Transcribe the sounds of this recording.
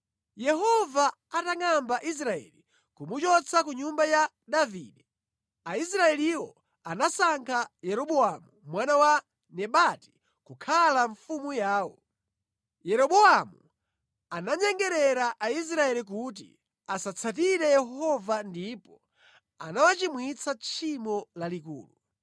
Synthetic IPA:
jɛɦɔva | ataŋambaʔis̬ɾaɛ̰li | kumut͡ʃɔt͡sʰakuɲumbaja | daviːɗɛ | aisɾaɛliwɔ | anasaŋkʰajɛɾɔɓɔamumwanawa | nɛɓati̥ | kukʰalaɱfumujaːwɔ | jɛɾɔɓɔamu | anaɲɛŋɡɛɾɛɾaʔais̬ɾaɛlik̬ut̬ḭ | asat͡sʰat̬iɾɛjɛɦɔvandipɔ | a̰nawat͡ʃimwit͡sʰat͡ʃʰimɔlalikṵːlu

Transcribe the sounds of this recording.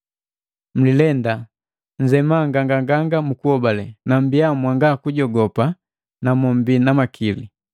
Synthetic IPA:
m̩lilɛnda | ɲ̩d͡ʒɛmaŋɡaŋɡaŋɡaŋɡamukuhɔbalɛnambijamwaŋɡakuɟɔɡɔpa | namɔmbinamakʰili

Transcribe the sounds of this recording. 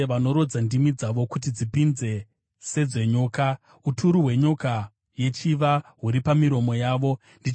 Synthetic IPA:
ʋano̞ɾo̞d͡zandimid͡zaʋo̞kut̬id͡zipinze̞ | se̞d͡ze̞ɲoːka | utʰuɾuɦwe̞ɲoka | je̞t͡ʃiʋaɦuɾipamiɾo̞mo̞jaːʋo̞ | ndi

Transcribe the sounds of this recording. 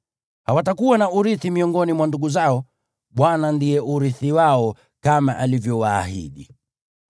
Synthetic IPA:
hawatakuwanaʔuɾiθimiɔŋɡɔnimwanduɡuzaɔ | ɓwanandijɛʔuɾiθiwaɔ | kamaʔalivjɔwaːhḭɗi

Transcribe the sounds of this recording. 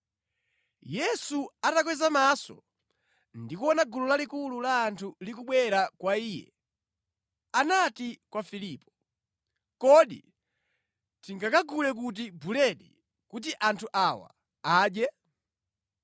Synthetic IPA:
jɛsuatakwɛzamasɔ̰ | ndikuɔnaɡululalikululaːntʰulikuɓwɛɾakwaiːjɛ̰ | anatikwafilipɔ | kɔɗḭ | tiŋɡakaɡulɛk̬ut̬ibulɛɗḭ | kut̬iʔantʰuʔawa̰ | aːɗjɛ

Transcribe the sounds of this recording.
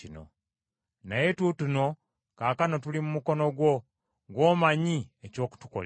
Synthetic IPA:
ino̰ | naje̞tutuno̞ | kaːkano̞tulimumuko̞no̞ɡwo̞ | ɡwoːmaɲieco̞ːku̥tu̥ko̰l

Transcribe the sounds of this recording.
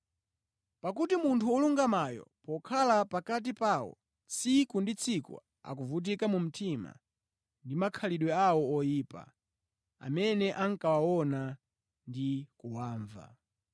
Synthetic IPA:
pak̬utimuntʰuɔluŋɡamajɔ̰pɔkʰalapakat̬ipawɔ̰ | t͡sʰikundit͡sʰikṵ | a̰kuvut̬ikamum̩tʰima̰ | ndimakʰaliɗwɛawɔɔjiːpa̰ | a̰mɛnɛʔaŋkawawɔna | ndikuwaːɱva̰

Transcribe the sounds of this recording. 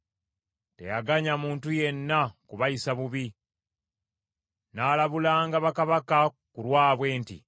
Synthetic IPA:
te̞̰jaɡaɲamuːntuje̞nːakuβajisaβuβi | naːlaβulaːŋɡaβakaβaka | kulwaːβwe̞ːntḭ

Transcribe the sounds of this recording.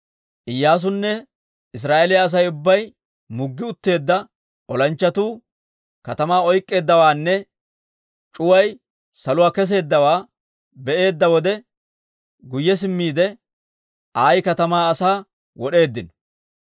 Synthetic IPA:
ʔɪjːaːs̬ʊnːɛ | ɪs̬ɾaːʔelɪjɐːs̬ɐjʊbːɐj | mʊɡːɪʊt̪ːe̞ːd̪ːɐ | ʔɔlɐnt͡ʃːɐt̪uː | kɐt̪ɐmaːɔjkʼːe̞ːd̪ːɐwaːnːɛ | t͡ʃʼʊwɐj | sɐlʊwaːkɛs̬e̞ːd̪ːɐwaː | bɛʔe̞ːd̪ːɐwɔd̪ɛ | ɡʊjːɛs̬ɪmːiːd̪ɛ | aːjkɐt̪ɐmaːɐsaː | wɔɗe̞ːd̪ːɪnɔ

